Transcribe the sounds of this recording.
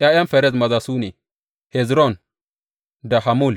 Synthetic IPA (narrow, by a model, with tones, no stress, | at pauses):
jaː˦jɐ˦mfɛ˨ɾɛ˦˨mɐ˨zaː˨suː˦neː˨ | hɛ˨zɾɔ˦˨n | da˨ha˨mu˦˨l